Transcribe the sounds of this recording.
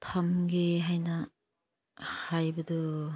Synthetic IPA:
tʰamɡeɦajna | hajbɐdɯ

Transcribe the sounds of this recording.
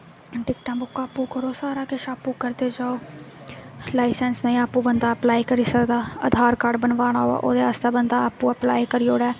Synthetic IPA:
ɖɪkʈãːbʊkːaːpːũːkəɾoːsaːɾaːkɪʃaːpːũːkəɾd̪eːd͡ʒaːoː | laːɪsɛ̃ːnsnaĩːaːpːũːbənd̪aːəplaːiːkəɾiːsəkd̪aːə̰d̪ʱaːɾkaːɾɖbənʋaːɽ̃aːɦoa̰ːʔo̰ːd̪eːast̪aːbənd̪aːaːpːũːəplaːiːkəɾioːɽɛː

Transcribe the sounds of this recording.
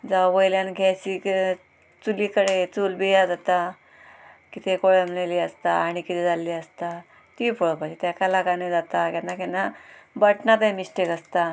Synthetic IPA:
d͡zawʋəjljanɡʱat͡ɕik | t͡suliːkəɽet͡sulbijad͡zat̪a | kit̪ekoɭemleliəst̪aːɽ̃ikit̪ed͡zalːiəst̪a | t̪ipoɭpad͡ʑit̪jakalakaned͡zat̪akɛnakɛnabəʈnat̪jmiɕʈekəst̪a

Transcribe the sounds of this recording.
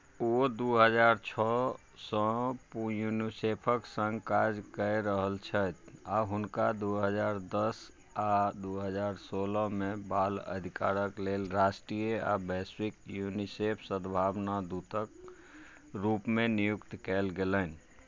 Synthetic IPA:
od̪uɦəd͡ʒaɾt͡ʃʰɔ | sɔ̃pjunisepʰəksə̃ŋɡkad͡ʒkəjɾəɦəlt͡ʃʰət̪ʰaɦunkad̪uɦəd͡ʒaɾd̪əs | ad̪uɦəd͡ʒaɾsoləmebalə̰d̪ʱika̰ɾəklelɾasʈɾijəa̰bɛsikjunisepʰsəd̪bʱabnad̪ut̪ək | ɾupmenijukt̪kɛlɡeləni

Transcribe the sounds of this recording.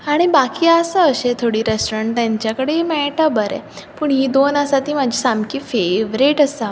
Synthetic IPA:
aɽ̃ibakiːəsəəɕet̪ʰoɽiːɾesʈoɾəɳʈ̪jaɲt͡ɕjakəɽeimɛʈabəɾɛ̰ | puːɳɦiːd̪onəsat̪iːmad͡ʑʱiːsamkiːfeʋɾiʈəsa

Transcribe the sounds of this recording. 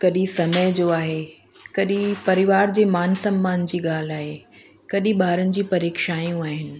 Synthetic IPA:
kɐɗĩsɐməjd͡ʑoːaːɦe | kɐɗĩpɐɾɪʋaːɾd͡ʑeːmaːnsɐ̃mːaːnd͡ʑiːɠaːl̤aːɦe | kɐɗĩɓaːɾənɪ̆d͡ʑiːpɐɾeːkʃaːjũaːɦɪnɪ̆

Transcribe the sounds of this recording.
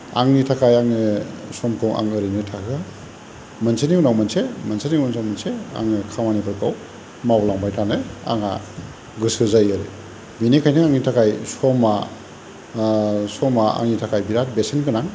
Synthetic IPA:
aŋnitʰakʰajaŋnesɔmkʰɯwʔa̰ŋɯɾinɯtʰakɯa | mansʰaniwnawmansemɐnsaniwmansawmansea̰ŋnɯkʰamanibɯɾkʰaw | mawlaŋbajtʰanɯa̰ŋa | ɡɯsɯzajaɾe | binikʰajnɯŋaŋnitʰakʰajsɔma | sɔmaa̰ŋnitʰakajbiɾat̚besenkɯnaŋ

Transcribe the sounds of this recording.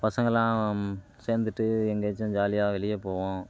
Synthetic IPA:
pɐsɐŋɡɐlãː | seːnd̪ɯʈːɯɛŋɡɐt͡ʃːɐ̃d͡ʒaːlɪjaːʋɛɭɪjeːpoːʋõː

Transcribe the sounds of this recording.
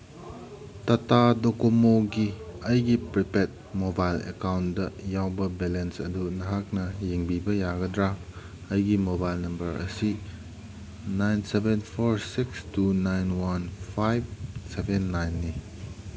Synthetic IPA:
tɐtadokomoɡiɐjɡipɾipet̚mobajlḛkawndɐjawbɐbelensɐ̰dunɐɦak̚nɐjeŋbibɐjaɡɐdɾa | ɐjɡimobajlnɐmbɐɾʔɐ̰si | najnsebenpʰoɾsikstunajnwanpʰajb̚sebenːajnːi

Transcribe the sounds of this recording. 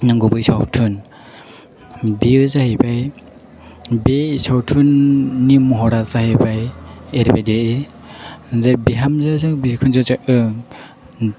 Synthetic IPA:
naŋɡubɯjsawtʰun | biɯzahibʰaj | besawtʰunːimɔɦɔɾazahebʰajeɾibajdee | zabiɦamzazɯbikʰunzazaʔɯŋ

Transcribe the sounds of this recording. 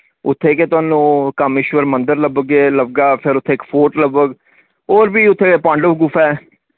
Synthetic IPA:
ʊt̪ʰːeːket̪ʊaːnũːkəmɪʃʋəɾmənd̪əɾləbəɡeːləbɡaːpʰɪɾʊt̪ʰːeːkpʰoːʈləbəɡ | oːɾbiːʊt̪ʰːeːepãːɳɖəbɡʊpʰɛː

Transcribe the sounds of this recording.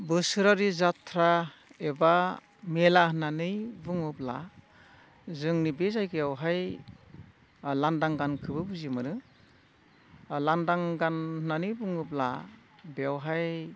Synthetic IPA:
bɯsɯɾaɾizatʰɾaeba | melahɯnanɯjbuŋɯpla | zɯŋnibezajkɯjawɦaj | landaŋɡankʰɯbɯbuzimɯɾɯ | landaŋɡanhnanɯjbuŋɯpla | beawɦaj

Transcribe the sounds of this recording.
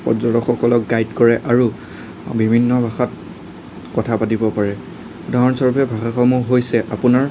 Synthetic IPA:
pɔzɔdɔxɔkɔlɔk̚ɡajdkɔɹɛʔaɹu | bibʱinːɔbʱaxat̚ | kɔtʰapatibɔpaɹɛ | dʱaɦɔnsɔɹupʰɛbʱaxaxɔmuɦojsɛʔapʊnaɹ

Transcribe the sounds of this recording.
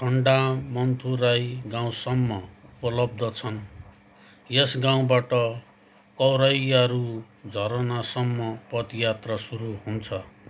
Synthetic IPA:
kʰʌɳɖamʌnt̪ʰuɾajɡãw̃sʌmːʌupʌlʌb̚d̪ʱʌt͡sʰʌn | jesɡãw̃baʈʌ | kʌwɾʌjaɾu | d͡zʱʌɾʌnasʌmːʌpʌd̪jat̪rʌsuɾuɦunt͡sʰʌ

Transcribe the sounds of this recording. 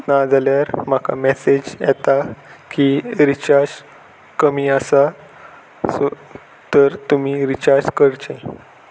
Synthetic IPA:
nad͡zaljaɾm̤aka̰mɛsed͡ʑjɛ̰t̪akiɾit͡ɕaɾd͡z | kəmiːəsa | so | t̪əɾt̪um̤iɾit͡ɕaɾd͡ʑkəɾt͡ɕẽ

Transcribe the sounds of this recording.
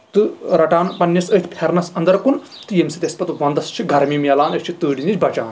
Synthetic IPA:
t̪ɨɾɐʈaːnpɐnʲːjɐsət̪ʲpʰeɾnɐsɐnd̪ɐɾkun | t̪ɨjemsit̪ʲeɐspɐt̪ʋɐnd̪ɐst͡ʃʰiɡɐɾmimelaːnət͡ʃʰit̪əːɽinit͡ʃʲbɐt͡ʃa̰ːn

